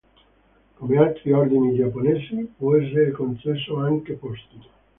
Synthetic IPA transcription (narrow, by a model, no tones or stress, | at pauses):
komeat̪ːɾiɔɾd̪inid͡ʒapːonesipoɛs̬eɾekont͡ʃesoaŋkepost̪i